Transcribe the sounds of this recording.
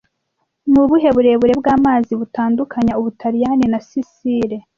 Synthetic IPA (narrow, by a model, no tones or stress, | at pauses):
nuβuɦe̞βuɾe̞βuɾe̞bɡaːmaːziβutaːndukʰaɲauβutʰaɾijaninasisiːɾe